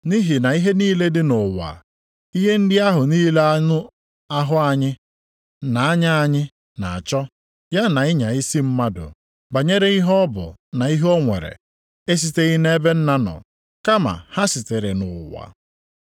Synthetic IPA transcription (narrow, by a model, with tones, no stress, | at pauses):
ni˦ɦi˨na˨i˦ɦe˦niː˦le˦dɪ˦nʊ˨wa̰˨ | i˦ɦe˦n̩˦dɪ˦a˦ɦʊ˨niː˦le˦a˦ʊ˦ | a˦ɦʊ˦a˦ɲɪ˦ | na˨a˦ɲa˦a˦ɲɪ˦ | na̰˨a˨t͡ʃɔ˦ | ja˦na˨ɪ˦ɲa˨i˦si˦m̩˦ma˦dʊ̰˨ | ɡ͡ba˨ɲe˦ɾe˦i˦ɦɔ˦bʊ̰˨na˨i˦ɦo˦ŋʷḛ˨ɾḛ˨ | e˦s̬i˦te˦ɣɪ˦ne˦be˦n̩˦na˦nɔ̰˨ | ka˦ma̰˨ha˦si˨te˨ɾe˨nʊ˨wa̰˨